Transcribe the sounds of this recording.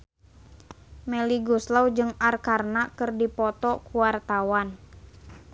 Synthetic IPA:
mɛliɡuslawd͡ʒɨŋarkarnakɨrdipɔt̪ɔkuwart̪awan

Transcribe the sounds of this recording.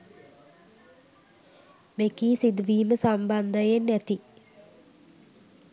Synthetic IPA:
mekiːsid̪uʋiːməsamband̪əjenːæt̪i

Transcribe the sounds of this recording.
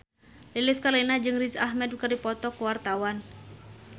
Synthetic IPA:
leleskalenad͡ʒɨŋrisahmɛd̚ukərdipɔt̪ɔkuwart̪awan

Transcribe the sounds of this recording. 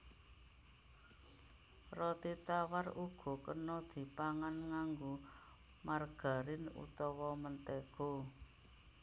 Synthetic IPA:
rɔt̪it̪awaruɡ̥ɔ̤kənɔd̪̥i̤paŋanŋaŋɡu | marɡ̥a̤ɾɪnṵt̪ɔwɔmənt̪eɡ̥o̤

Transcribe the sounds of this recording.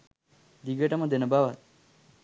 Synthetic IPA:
d̪iɡəʈɐmɐ̃d̪enɐbaʋat̪

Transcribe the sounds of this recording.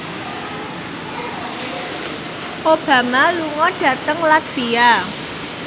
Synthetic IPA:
ʔob̥ä̤maluŋɔɖ̥ä̤t̪əŋlaksia

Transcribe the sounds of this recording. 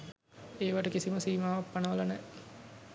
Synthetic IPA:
eːʋaʈəkisiməsiːmaːʋapːanəʋəlanɛ

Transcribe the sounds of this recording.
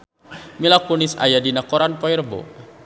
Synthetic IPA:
milakunisa̰jadinakɔɾanpɔirbɔ̰

